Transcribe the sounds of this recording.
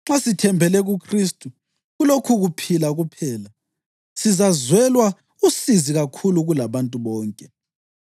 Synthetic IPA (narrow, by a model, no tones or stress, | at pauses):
ŋ͡ǁasitʰɛmbʱɛlɛɣukʰristʼu | ɣulokʰuɣupʰilaɣupʰɛːla | sizazwɛlwa | usiziɣakʰuluɣulaβantʼuβɔːŋkʼɛ